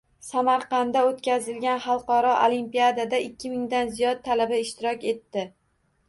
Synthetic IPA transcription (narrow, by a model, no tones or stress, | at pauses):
samaɾqɑnd̪aot̪kʲʰazɪlɡʲanχɑlˠqɒɾɒʔo̰lˠimpijad̪ad̪aɪkʲʰːɪmɪŋd̪anzijɒd̪̚t̪ʰːalabaɪʃt̪ɪɾɒkʲe̞t̪ːɪ